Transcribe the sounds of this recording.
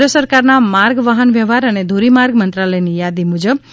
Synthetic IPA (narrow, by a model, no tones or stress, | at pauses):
ɾəsəɾkaɾnamaɾɡʋaɦənʋjəʋaɾəned̪ʱuɾimaɾɡmənt̪ɾaləjnijad̪imud͡ʒəb